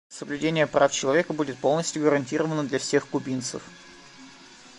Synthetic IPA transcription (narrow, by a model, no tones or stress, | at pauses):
səblʲʉdʲenʲɪjəpɾaft͡ɕɪlˠɐvʲe̞kəbudʲɪt̪̚po̞lˠnəsʲtʲjʊɡəɾɐnʲtʲiɾəvənəd̪lʲɐfsʲexkʊbʲint̪sə̰f